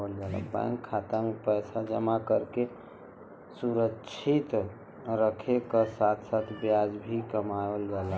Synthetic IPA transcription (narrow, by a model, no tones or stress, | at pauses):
əld͡ʒaːlə̰bã̰ŋkʰːat̪amẽpəjsad͡ʒəmakəɾke | suɾəʃʰit̪ | ɾəkʰekasaːt̪ʰsat̪ʰbjad͡ʒbʱikəmaəld͡ʒaːla